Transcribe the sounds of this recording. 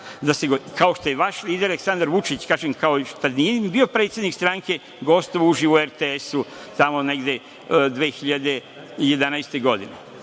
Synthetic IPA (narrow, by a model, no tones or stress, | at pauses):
d̪aseɡokaoʃt̪o̞jeʋaʃlˠiːd̪eɾeleksand̪aɾʋut͡ʃit͡ɕkaːʒemkaot̪ad̪nijebio̞pɾeːt̪sʲjed̪nikst̪ɾaŋke̞ | ɡo̞st̪oʋuʒiʋoeɾt̪eesu | t̪amo̞ne̞ɡd̪e̞ | d̪ʋeːxiʎad̪e̞ | je̞d̪anajst̪eɡo̞d̪ine